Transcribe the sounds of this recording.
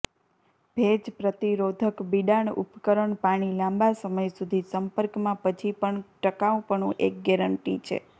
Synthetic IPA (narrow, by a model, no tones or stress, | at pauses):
b̥ʱed͡ʒpɾət̪iɾod̪ʱəkbiɖaɳṵpkəɾəɳpaɽ̃ilãmbasəməjsud̪ʱisəmpəɾkmãpət͡ʃʰipəɳʈəkaʋpəɳũʔek̚ɡɛɾəɳʈit͡ʃʰḛ